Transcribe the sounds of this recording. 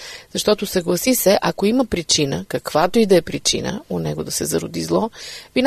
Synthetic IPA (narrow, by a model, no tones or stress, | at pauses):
zɐʃt̪ɔt̪osɐɡlˠɐsisɛʔɐkoimɐpɾit͡ʃinəkɐkvat̪oid̪ɐɛpɾit͡ʃḭnə̰onɛɡod̪ɐsɛzɐɾod̪izlˠɔvin